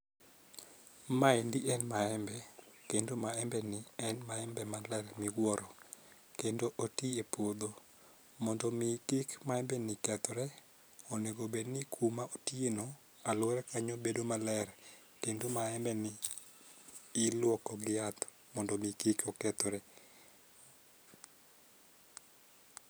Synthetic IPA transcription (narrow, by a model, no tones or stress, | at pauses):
maɛndiʔɛnmaɛmbɛkendomaɛmbɛnɪɛnmaɛmbɛmalɛɾmɪɡwɔɾɔ | kendoʔotiepwod̪o | mɔndɔmikɪkmaɛmbɛnɪkɛt̪ɔɾɛ | ɔnɛɡobednɪkʰumaotienɔ | alwɛɾɛkaɲobedomalɛr | kendomaɛmbɛnɪ | lwɔkɔɡɪat̪ | mɔndɔmikikɔkɛt̪ɔɾɛ